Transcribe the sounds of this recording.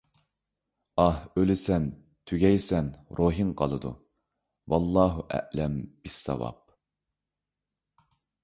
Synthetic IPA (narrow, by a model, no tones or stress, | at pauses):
ɑhølɪsɛn | t̪ʰyɡʲɛjsɛnɾʔoːɦɨnqʰɑlˠɨd̪ṵ | wɑlˠːɑːɦuʔæ̰ʔlɛmb̥ɪsːɑ̰wɑ̰p̚